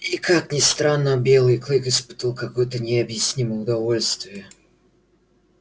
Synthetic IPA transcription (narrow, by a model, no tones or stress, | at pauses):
ikaknʲɪst̪ɾanːəbʲelˠɨjklʲˠɨkɨspɨ̥t̪əlˠkɐkujt̪ənʲɪɐbjɪsʲnʲiməʊd̪ɐvolʲst̪vʲɪjə